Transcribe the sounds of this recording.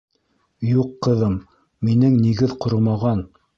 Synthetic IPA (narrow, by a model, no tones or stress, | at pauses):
juqːɤ̆ðɤmː | inɘŋniɡɘðqŏɾɤmɑʁɑn